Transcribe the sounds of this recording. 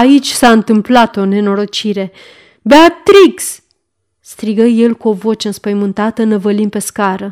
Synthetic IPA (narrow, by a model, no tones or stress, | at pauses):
ait͡ʃʲsaɨnt̪ɨmplat̪o̞ne̞no̞ɾo̞t͡ʃiɾe̞ | beat̪ɾiks | st̪ɾiɡəje̞lkuo̞vo̞t͡ʃeɨnspəjmɨnt̪at̪ənəvəlinpe̞skaɾə